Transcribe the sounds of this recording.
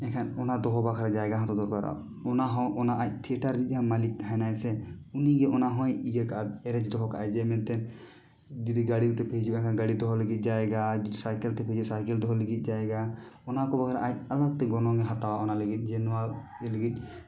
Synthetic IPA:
ɛkʰanɔnad̪ɔɦɔbakʰaɾad͡ʒaɛɡaɦɔ̃t̪ɔd̪ɔɾkaɾa̰ | ɔnaɦɔ̃ʔɔnaʔac̚t̪ʰiʈaɾɡic̚ˀhãmalik̚t̪aɦanajsɛuniɡɛʔɔnaɦɔ̃jid͡ʒakaʔaɛɾɛd͡ʒd̪ɔɦɔka̰ʔad͡ʒɛmɛnt̪ɛn | d͡ʒid̪iɡaɽiɾt̪ɛpʰed͡ʒuʔɛkʰanɡaɽid̪ɔɦɔləɡit̪̚ˀd͡ʒaɛɡad͡ʒid̪isajkɛlt̪ɛpʰed͡ʒusajkɛld̪ɔɦɔləɡit̪̚ˀd͡ʒaɛɡaɔnakɔbakʰaɾa̰ʔac̚alak̚t̪ɛɡɔnɔ̃ɡɛɦat̪awaʔɔnaləɡit̪̚ˀd͡ʒɛnwalɡɛləɡit̪̚ˀ

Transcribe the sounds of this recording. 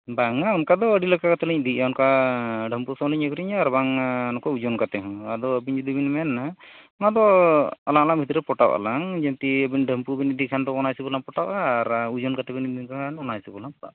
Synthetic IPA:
baŋaɔnkad̪ɔəɖilɔkakat̪ɛliɲd̪iaɔnkaɖʱəmpusɔmliɲəkɔɾiɲaːɾbaŋnɔkɔud͡ʒɔnkat̪ɛɦɔ̃ad̪ɔəbiɲd͡ʒud̪ibinmɛnːa | mad̪ɔalaŋalaŋbʱit̪ɔɾɛpɔʈawa̰laŋd͡ʒɛnt̪iəbinɖʱəmpubinid̪ikʰand̪ɔɔnajsibɔlaŋpɔʈawʔaːɾud͡ʒɔnkat̪ɛbinidikaanɔnajsibɔlaŋpɔʈa̰

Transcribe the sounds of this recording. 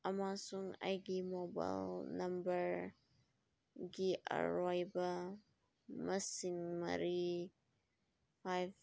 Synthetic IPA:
ɐmasuŋa̰jɡimoba̰jlnɐmbəɾ | ɡiʔə̰ɾɔjbɐ | mɐsiŋmɐ̰ɾi | pʰajb

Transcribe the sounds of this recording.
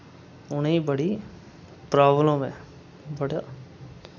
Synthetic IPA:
ʊnibɐɽi | pɾaːblõmɛ̃ | bɐɽa

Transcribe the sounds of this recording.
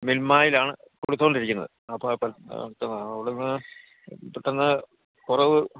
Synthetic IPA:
milmaːjilaːɳɨ | koɽut̪ːoːɳɖiɾikʲːunːɐ̰ðɨɐpːɐpɐ̰t̪ːɐnːɐɐʋiɽenːɨ | piʈːɐnːɨ | kurɐʋɨ

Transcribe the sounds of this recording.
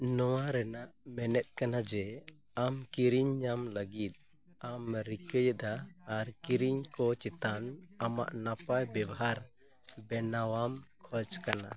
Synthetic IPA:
nɔwaɾɛnaʔmɛnɛt̪̚ˀkanad͡ʒɛ | amkiɾiɲːamləɡit̪̚ | amɾikəjəd̪aːɾkiɾiɲkɔt͡ʃit̪anama̰ʔnapajbɛbɔɦaɾ | bɛnawamkʰɔd͡ʒkana̰

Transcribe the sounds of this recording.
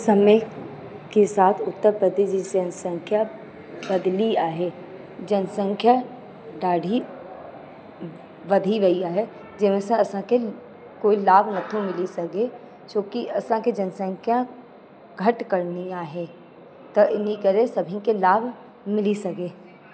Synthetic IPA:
sɐmə | kesaːt̪ʰʊt̪ːəɾpɾəd̪eːd͡ʒid͡ʒɐnsə̃ŋkʰja | bɐd̪liaːɦeː | d͡ʒɐnsə̃ŋkʰja | ɖaːɖʱi | ʋɐd̪ʱiʋɐiaːɦɛ | d͡ʒɪmẽsẽɐsãke | koːilaːbʱnɐt̪ʰõmɪlisɐke | t͡ʃõːkiɐsãked͡ʒɐnsə̃ŋkʰjã | ɡʱɐʈkəɾniaːɦe | t̪ɐʔɪnikɐɾẽsɐbʱĩkelaːbʱ | mɪlisɐkeː

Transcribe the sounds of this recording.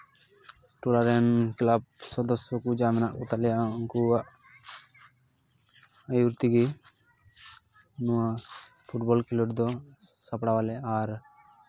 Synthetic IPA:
ʈulaɾɛnklab̚sɔd̪ɔsɔkud͡ʒamɛnaʔkut̪alɛjauŋkuaʔ | ajuɾt̪iɡi | nɔwapʰuʈbɔlkilɔʈd̪ɔsapɽawalɛaɾ

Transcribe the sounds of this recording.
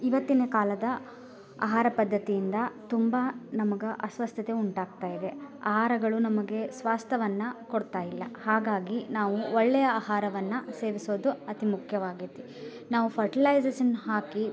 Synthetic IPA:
iʋɐt̪ːineːkaːlɐd̪ɐ | a̰ːɦaːɾɐpɐd̪ʱːɐt̪ijind̪ɐt̪umbɐnɐmɐɡeʔɐsʋɐst̪ʰjɐt̪e̞uɳʈaːɡ̚t̪aːjid̪e̞ɐ̰ɦaːɾɐɡɐɭunɐmɐɡe̞sʋaːst̪ʰjɐʋɐnːukoɽt̪aːjilːɐ̰haːɡaːɡinaːʋuɔɭːɛjɐɐːhaːɾɐʋɐnːɐse̞ːʋisoːd̪uɐt̪imukʰjɐʋaːɡit̪i | naːʋupʰɐɾʈilɐjd͡ʒeːʃɐnɦaːki

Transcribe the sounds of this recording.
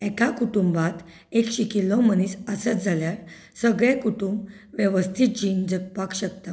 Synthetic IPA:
ɛkakuʈumbat̪ | ekɕikilɔməniːsəsət͡sd͡zʱaljaɾ | səɡɭekuʈumb | ʋjəʋəst̪ʰiːt̪̚d͡ʑimd͡zək̚pakɕək̚t̪a

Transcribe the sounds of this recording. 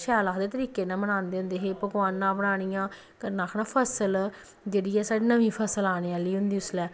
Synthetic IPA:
ʃɛːlaːd̪eːt̪əɾiːkeːnãːbəɽ̃ãːnd̪eːʊ̃nd̪eːɦeːpəɡʋaːnːãːbəɽaːɽ̃ijãː | kənaːkʰnaːpʰəsəl | d͡ʒeːɽiːɛːsaːɖiːnəʋĩːpʰəsəlaːɽ̃eːãːliːɦʊnd̪iːʊslɛː

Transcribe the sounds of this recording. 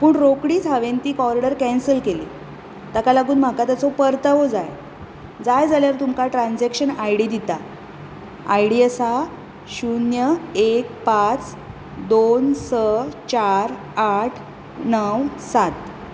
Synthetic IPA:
puːɳɾokɽiːd͡zʱaʋent̪iːkɔɾiɽəɾkɛ̃nsəlkelḭː | t̪akalaɡuːnm̤akat̪at͡sopəɾt̪aʋod͡zaj | d͡zajd͡zaljaɾt̪umkaʈɾãnd͡zɛkɕənajɽid̪it̪a | ajɽiəsa | ɕunjəek̚pat͡s | d̪onsət͡ɕaɾ | aʈʰ | nəwsat̪

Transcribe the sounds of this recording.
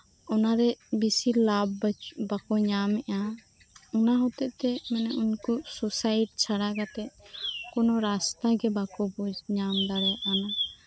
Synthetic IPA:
ɔnaɾɛbisilabbakɔɲamɛʔa | unaɦɔt̪ɛʔt̪ɛmɛnɛʔuɲkususajʈ̚t͡ʃʰaɽaɡat̪ɛʔ̚kɔnɔɾast̪aɡɛbakɔbud͡ʒɲamd̪aɾɛaʔana

